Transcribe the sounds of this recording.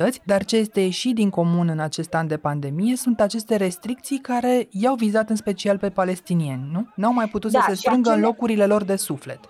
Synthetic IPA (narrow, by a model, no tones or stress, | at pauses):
ət̪sʲd̪art͡ʃe̞je̞st̪e̞jeʃit̪̚d̪iŋko̞munɨnat͡ʃe̞st̪and̪e̞pand̪e̞mije̞sunt̪at͡ʃe̞st̪e̞ɾe̞st̪ɾik̚t̪sijkaɾe̞jawvizat̪ɨnspe̞t͡ʃialpe̞pale̞st̪inie̞nʲnunawmajput̪ut̪səsse̞st̪ɾɨŋɡəɨnlo̞kuɾile̞lo̞rd̪e̞sufle̞t̪